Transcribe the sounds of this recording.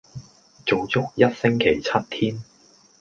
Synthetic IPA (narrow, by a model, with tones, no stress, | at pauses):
t͡so˨˧wt͡sʊ˥k̚jɐ˥t̚sɪ˥ŋkʰe˨˩jt͡sʰɐ˥t̚t̪ʰiː˥n